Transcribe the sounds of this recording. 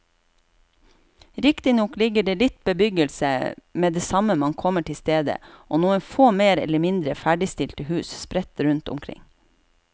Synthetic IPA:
ɾɪkt̪ɪnɔklɪɡəɖeːlɪt̪bəbʏɡəlsə̰meːd̪eːsɑməmɑŋkʰɔməʈʰɪlst̪eːd̪ə̰ʔoːnuːənfoːmeːɾɛ̰ləmɪnd̪ɾəfæɖɪst̪ɪlt̪əhʉːsspɾɛt̪ɾʉnt̪ʊ̰mkʰɾɪ̰ŋ

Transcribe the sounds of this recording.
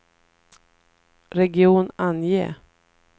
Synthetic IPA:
ɾɛɡɪuːnanjḛː

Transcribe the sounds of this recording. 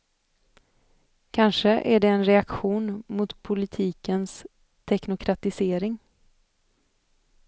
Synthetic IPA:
kʰanʂəʔæɖɛːnɾɛakɧuːnmʊt̪pʰʊlɪt̪ʰiːkəns | t̪ʰɛknʊkʰɾat̪ɪseːɾɪŋ

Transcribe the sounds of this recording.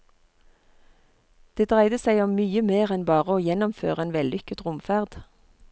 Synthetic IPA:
d̪̥eːd̪ʁæɪd̪əsæɪɔmmyːəmeːʁɛnbɑːʁəoːjɛnɔmfø̰ːʁəeːnʋɛlʏkət̪ʁʊmfæʁd̪̥

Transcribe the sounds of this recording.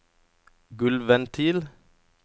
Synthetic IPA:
ɡʉlʋɛnt̪ʰiːl

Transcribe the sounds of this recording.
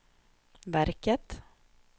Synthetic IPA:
væɾkət̪

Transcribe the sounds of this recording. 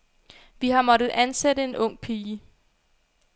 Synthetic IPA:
ʋiɦɑ̈mɒ̽d̥ð̩ˠʔænsedəe̝nɔ̽ŋ̰pʰiːə

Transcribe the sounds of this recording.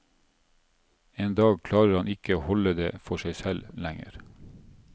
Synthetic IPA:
eːnd̪ɑːɡkʰlɑːɾəɾhɑnʔɪkəoːhɔləd̪ḛːfɔʃæɪsɛllæŋə̰ɾ

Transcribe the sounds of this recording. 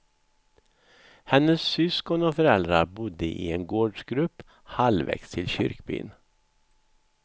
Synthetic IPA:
hɛnːəsːʏskɔnɔfœɾɛld̪ɾaɾbʊd̪ːəʔɪ̰enɡoːɖʂɡɾɵpː | halvɛ̰kst̪ʰɪlɕʏ̰ɾkbɪ̰ːn

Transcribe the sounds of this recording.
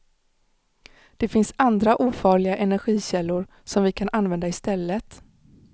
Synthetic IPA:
d̪̥ɛfɪnsand̪ɾaʔuːfɑːɭɪɡaʔɛnæɾɧiːɕɛlːʊɾ | sɔmvɪkʰanʔanvɛnd̪aɪst̪ɛlːət̪

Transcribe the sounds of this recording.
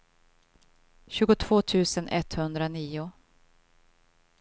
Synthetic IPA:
ɕʉ̟ːɡʊt̪ʰv̥oːt̪ʰʉ̟ːsənʔɛt̪hɵnd̪ɾaniːʊ

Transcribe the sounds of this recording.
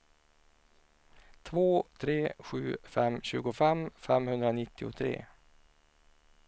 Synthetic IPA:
t̪ʰvoːt̪ʰɾeːɧʉ̟ːfɛmɕʉ̟ːɡʊfɛmfɛmhɵnd̪ɾanɪt̪ːɪʊ̰t̪ʰɾḛː

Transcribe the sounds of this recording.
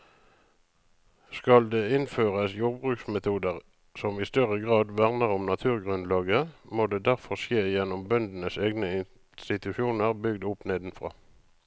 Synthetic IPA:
skɑld̪eːɪnføːʁəsjuːʁbʁʉːksmɛt̪ʰuːd̪əʁ | sɔmɪst̪œʁəɡʁɑːd̪ʋæʁnəʁʊmnɑt̪ʰʉːʁɡʁʉnlɑːɡəmoːd̪eːd̪æʁfɔʁʃjeːjɛnʊmbœnd̪n̩əseːɡnəɪn | st̪ɪt̪ʉʃuːnəʁbʏɡd̪ʊpneːd̪n̩fʁɑ̰ː

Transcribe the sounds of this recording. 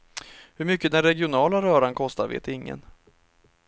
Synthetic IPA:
hɵɾmʏkːəd̪ɛnɾɛɡɪʊnɑːlaɾœːɾankʰɔst̪aɾvḛːt̪ɪŋːə̰n

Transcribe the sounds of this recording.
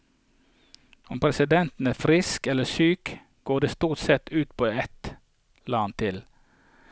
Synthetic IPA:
ʊmpʰɾɛsɪd̪ɛnt̪n̩æːʁfɾɪskɛləsyːk | ɡ̥oːd̪eːst̪uːʁt̪sɛt̪ʉːt̪pʰoːɛt̪ | lɑːnt̪ʰɪl

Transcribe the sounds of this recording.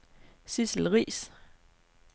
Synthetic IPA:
sisl̩ʁḭːs

